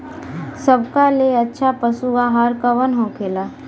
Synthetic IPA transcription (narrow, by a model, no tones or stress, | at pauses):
səbʱkaleɐtːʃʰapəsuɡaɦaɾkəʋənɦokʰeːlaː